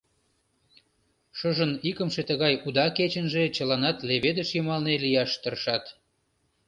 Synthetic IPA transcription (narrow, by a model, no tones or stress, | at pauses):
ʃəʒənikəmʃet̪əɣɑjud̪ɑket͡ɕənʒet͡ɕəlɑnɑt̪leβed̪əʃjəmɑlnelijɑʃt̪ərʃɑt̪